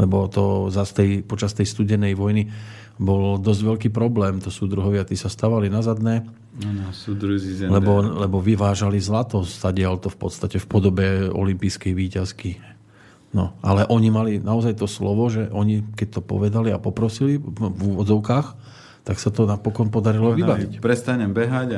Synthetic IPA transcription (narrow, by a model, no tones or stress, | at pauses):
lɛbɔt̪ɔzast̪ɛjpɔt͡ʃast̪ɛjst̪uɟɛnɛjʋɔjni | bɔld̪ɔzɟʋɛlkiːpɾɔblɛːmt̪ɔsuːd̪ɾuɦɔʋɪat̪iːsast̪aʋalinazad̪nɛː | ud̪ɾlɛbɔlɛbɔʋiʋaːʒalizlat̪ɔszaɟɪɛlt̪ɔfpɔ̰t̪st̪acɛfpɔd̪ɔbɛɔ̰limpijskɛjʋiːcaski | nɔʔalɛʔɔɲimalinaɔzajt̪ɔslɔʋɔʒɛʔɔɲikɛc̚t̪ɔpɔ̰ʋɛd̪aliapɔpɾɔsilivuːʋɔdd͡zɔʊkaːx | t̪aksat̪ɔnapɔkɔnpɔd̪aɾilɔʋibaʋicpɾɛst̪aɲɛmbɛɦaɟ